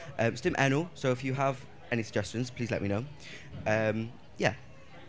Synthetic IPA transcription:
ʔʌ̃mstɪ̃mʔɛnəlˠsoʊɪfjəəv | ɛñisəɡd͡ʒɛst͡ʃə̃nz̥pʰl̥iːzlɛ̰ʔ̚minoʊ | ʔʌ̃m | jæ

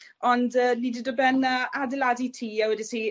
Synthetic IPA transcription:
ɔndəːnididɔbɛnəadɪladitʰiːɛwɛdisiː

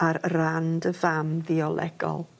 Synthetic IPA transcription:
aɾrandəvamðiɔlˠʔɛ̰ɡɔ̰lˠ

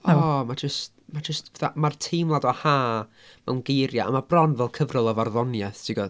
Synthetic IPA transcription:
ɔmad͡ʒəst | mad͡ʒəstv̥ɛθa̰martʰiːmlˠadɔhaː | mawnɡejɾjaa̰mabrɔnvɛlˠkʰəvrʊlˠɔvarðɔnjaθd̥ʰiɡɔ

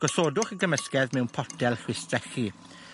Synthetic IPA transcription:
ɡ̥ɔsoːdʊχəɡəməskɛðmɛwnpʰɔtʰɛlˠχwɪstrɛχi

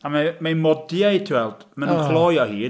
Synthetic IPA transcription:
amamamɔdjajtʰiwɛlˠd̥manuχlˠɔjɔhiː

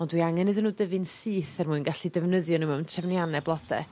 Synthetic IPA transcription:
ɔndwiaŋɛnɨðənːuːdəvɨnsɨːθɛrmuɨnɡaɬidɛvnəðjɔnimɛwntʰɛvnjanɛblˠɔdɛ̰

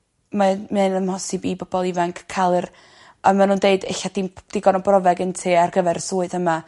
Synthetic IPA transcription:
mamɨnəmhɔsɪbibɔbɔlˠivaŋkʰkʰːalˠɨr | amanuːndeɨdeɬad̥id̥iɡɔnɔbrɔvɛɡəntʰeːarɡəvɛɾsuːɨðəma

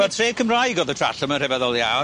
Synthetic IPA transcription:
ɛlˠtʰreːd̚kʰəmrajɡɔːðətʰra̰ɬəmər̥ɛvɛðɔlˠja̰w

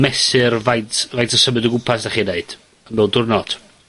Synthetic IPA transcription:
mɛsɪrvajtʰvajtʰəsəmɨdəɡʊpʰasd̥aχineɨd̥ | əmbɛlˠdʊrnɔd̥

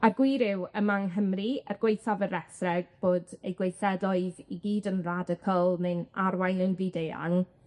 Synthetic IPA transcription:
arɡwiːɾɪwəmaŋɦəmriərɡ̥wejθavəɾɛθrɛɡ̥̚b̥oːdejɡwejθɛdlɔɨðiɡiːdənradəkʰɔlˠmɨnarwajnənviːdeja̰ŋ

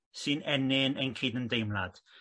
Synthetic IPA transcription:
sɨnɛnɪnənkʰiːdəndejmlˠad̥

